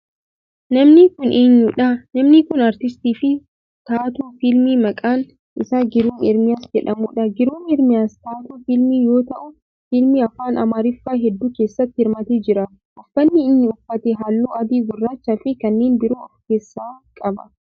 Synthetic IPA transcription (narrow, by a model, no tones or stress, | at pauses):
nɐmnɪkʊnʔeːɲːuːᶑɐnɐmnɪkʊnɐɾt̪ɪst̪iːfɪ | t̪aːt̪uːfilmiːmɐkʼaːn | ʔɪsaːɡɪɾuːnɛɾmɪjaːsd͡ʒɛᶑɐmuːᶑɐɡɪɾuːnɛɾmɪjaːst̪aːt̪uːfɪlmiːjo̞ːt̪ɐʔʊ | filmiɐfaːnɐ̰maːɾɪfːaːɦɛd̪ːuːke̞ːsːɐt̪ːɪɪɾmɐt̪eːd͡ʒɪɾɐ | ʔɐfːɐnːɪːnːɪʊfːɐt̪ɛɦalːuːɐd̪iːɡʊrːaːt͡ʃːafɪkɐnːe̞ːnbɪɾuːɐfke̞ːsːaːkʼɐbɐ